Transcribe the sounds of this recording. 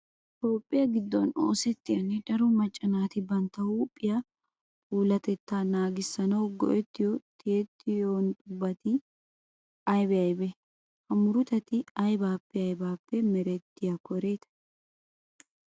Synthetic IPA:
t̪o̞ːpʼːɪjɐɡɪd̪ːɔno̰ːsɛt̪ːɪjɐnːɛdɐɾʊmɐt͡ʃʼːɐnaːt̪ɪbɐnt̪ːɐwuːpʼːɪjɐ | puːlɐt̪ɛt̪ːaːnaːɡɪsːɐnɐwɡɔ̰ʔɛt̪ːɪjɔt̪ʰɪɛt̪ːɪjoːnt̪ʼʊbːɐt̪ɪ | ɐjbɛɐjbɛ | hɐmʊɾʊt̪ɐt̪ɪɐjbaːpːɛɐjbaːpːɛmɛɾɛt̪ːɪjɐkʰɔɾe̞ːt̪ɐ̥

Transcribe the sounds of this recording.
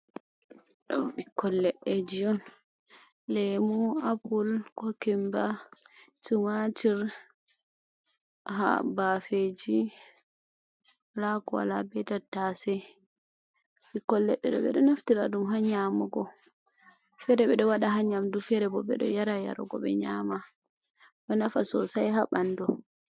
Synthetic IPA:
ɗɔbikːɔlːɛɗːed͡ʒijɔn | lɛmuapulkɔkɛmba | tumatiɾ | ha̰bafed͡ʒi | lakɔwa̰labɛtatːasɛ | ʔikɔlːɛɗːɛɗɔ̰ɓɛ̰ɗɔnoftiɾaɗumɦaɲamɔɡɔ | fɛɾɛɓɛɗɔwaɗaɦaɲamdufɛɾɛbɔɓɛ̰ɗɔ̰jaɾaja̰ɾɔ̰ɡɔɓɛ̰ɲama | ɗɔnafasɔsajɦaɓandɔ

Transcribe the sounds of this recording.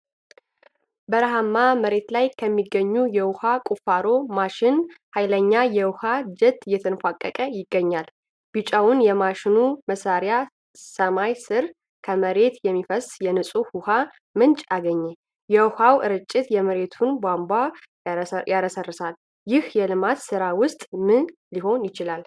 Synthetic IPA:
bəɾəɦamːaməɾe̞t̪lajkʰəmːiɡːəɲːujɛwʊhakʼufaɾo̞maʃɪnhajləɲːajɛwʊhad͡ʒɛt̪ʼːjɛt̪ʰənfʷakʼːəkʼəjɪɡːəɲːal | b̥ɨt͡ʃʼawʊnjɛmaʃɪnuməsaɾja | səmajsɨɾ | kʰəməɾe̞t̪jɛmːifəsjɛnɨsʼuhuha | mɨnt͡ʃʼaɡəɲːɛ | jɛwhawʔɨɾɨt͡ʃʼːɪt̪jɛməɾe̞t̪ʰunbʷamba | jaɾəsərːəsal | jɪhjɛlɨmat̪sɨɾawʊst̪ʼmɨnliho̞njɪt͡ʃɪlal

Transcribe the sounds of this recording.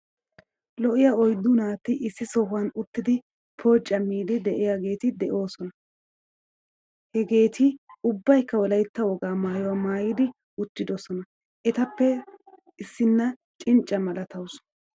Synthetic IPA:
lɔʔɪjɐɔjd̪ːʊnaːt̪ːɪʔɪsːɪsɔhʊwɐnʊt̪ːɪd̪ɪ | pʰoːt͡ʃʼːɐmiːd̪ɪd̪ɛʔɪjaɡe̞ːt̪ɪd̪ɛʔo̞ːsɔnɐ | hɛɡe̞ːt̪ʰɪʊbːɐjkːɐwɔlɐjt̪ːɐwɔɡaːmaːjɔwaːmaːjɪd̪ɪ | ʊt̪ːɪd̪ɔsɔnɐ | ʔɛt̪ɐpːɛ | ɪsːɪnːɐ | t͡ʃʼɪnt͡ʃʼːɐmɐlɐt̪ɐwsɔ̥

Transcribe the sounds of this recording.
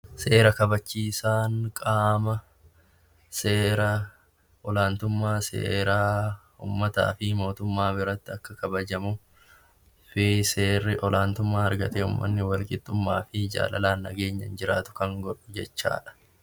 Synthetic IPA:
se̞ːɾɐkɐbɐt͡ʃːiːsaːŋkʼaːmɐ | seːɾɐ | ɔlaːnt̪ʊmːaːsḛːɾaː | ṵːmːɐt̪a̰ːfɪmo̞ːt̪ʊmːaːbɪɾɐt̪ːɪɐkːɐkɐbɐd͡ʒɐmʊ | fɪseːrɪʔɔlʔaːnt̪ʊmːaːɐɾɡɐt̪eːʊ̰mːɐ̰nːɪwɐlkʼɪt̪ʼːʊmːaːfɪd͡ʒa̰ːlɐ̰laːnːɐ̰ɡe̞ːɲːɐ̰nd͡ʒɪɾaːt̪ʊ̥kɐŋɡɔᶑʊd͡ʒɛt͡ʃːa̰ːᶑɐ̥

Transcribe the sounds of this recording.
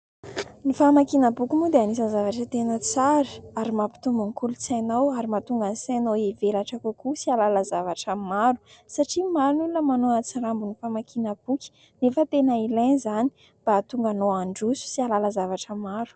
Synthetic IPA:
nifamakinəbukʲimud̪eanisənzavaʈ͡ʂət̪enət͡saɾi̥aɾimapi̥t̪umbunikulut͡sanawaɾimat̪uŋɡansanoevelaʈ͡ʂakukusialalazavaʈ͡ʂəmaɾu̥saʈ͡ʂimaɾunulunəmanoat͡saɾambunifamakʰinəb̥ukʲi̥ | nefət̪enailajnzani̥ | b̥at̪uŋɡanoaɳɖ͡ʐusu̥sialaləzavaʈ͡ʂəmaɾu̥

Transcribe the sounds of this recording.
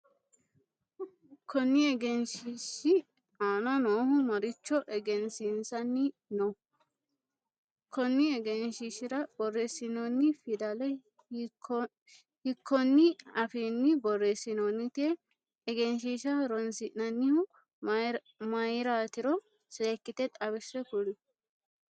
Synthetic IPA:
kʰːɔnːɪɛɡɛnʃiʃɪ | aːnɔnoːhʊmɐɾɪt͡ʃːɔʔɛɡɛnsɪnsɐnːɪ | nɔ | kʰːɔnːɪɛɡɛnʃiʃɪɾɐbɔrːesɪnɔnːɪfɪd̪ɐlɛ | hɪkʰːɔnːɪɐfenːɪbɔresɪnonːɪt̪ɪɛ | ɛɡɛnʃiʃɐɾɔnsɪnɐnːɪhʊ | mɐjɾaːt̪ɪɾɔ | seːkːɪt̪ɛt̪ʼɐbɪsɛkʊlɪ

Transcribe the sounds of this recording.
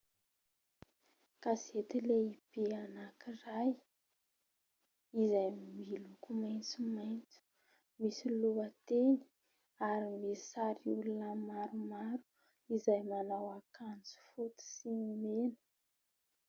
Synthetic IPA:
kazet̪ileipianakiraj | izajmilukumajnt͡sumajnt͡su̥ | misiluat̪eni̥ | aɾimesaɾiulunəmaɾumaɾu̥ | izajmanawakant͡su̥fut̪u̥siimenə̥

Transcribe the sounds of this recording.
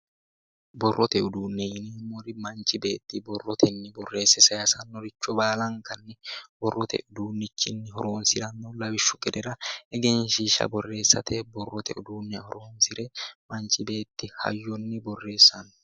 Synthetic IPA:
bɔrːɔt̪ɛʊd̪uːnːɛjɪniːmɔɾɪmɐnt͡ʃɪbe̞ːt̪ːɪbɔrːɔt̪ʰɛnːɪbɔrːe̞ːsːɛsɐjasɐnːɔɾɪt͡ʃːɔbaːlɐŋkɐnːɛbɔrːɔt̪ɛ̰ʔʊd̪uːnːɪt͡ʃːɪnːɪhɔɾoːnsɪɾɐnːɔlɐwɪʃːʊɡʼɛd̪ɛɾɐɛɡɛnʃiʃɐ̰bɔrːe̞ːsːɐt̪ʰɛbɔrːɔt̪ɛ̰ʊd̪uːnːɛɐhɔɾoːnsɪɾɛmɐnt͡ʃɪbe̞ːt̪ːɪhɐ̰jːɔnːɪbɔrːe̞ːsːɐn

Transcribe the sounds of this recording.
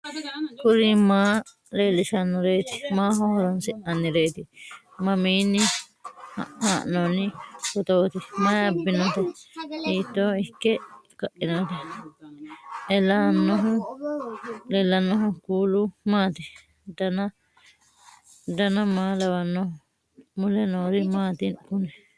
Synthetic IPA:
kʊɾimaː | ɾeːlɪʃɐnːɔɾeːt̪ɪ̥maːɦɔhɔɾɐnsɪʔɐnːɪɾeːt̪ɪ | mɐmiːnːɪ | ha̰haːʔnoːnːɪkɔt̪oːt̪ɪmɐjɐbːɪnɔt̪ɛiːt̪ːoːɪkːɛkaʔinat̪i | ɛlanːoɦu | lɛlanːoɦokuːlumaːt̪i | dana | danamaːlaβanːo | mulɛnoːɾimaːt̪inkunɛ

